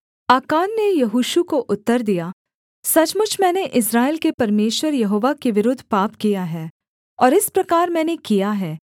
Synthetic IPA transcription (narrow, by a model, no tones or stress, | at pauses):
aːkaːnːejɐɦuːʃukoʔʊt̪ːəɾd̪ija | sɐt͡ʃmʊt͡ʃʰmɛ̃ːneʔɪsɾaːelkepɐɾmeːʃwəɾjɐɦoːʋakeʋɪɾʊd̪ʱːpaːpkijaɦɛː | ɔːɾɪspɾɐkaːɾmɛ̃ːnekijaɦɛː